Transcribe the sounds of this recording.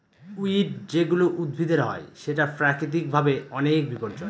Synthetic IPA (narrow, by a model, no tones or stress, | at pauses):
uiʈd͡ʑeɡuloʔud̪̚bʱid̪ʱeɾɦɔ̰eʃeʈapɾakɾit̪̬ik̚bʱabeɔnek̚bipoɾd͡ʑon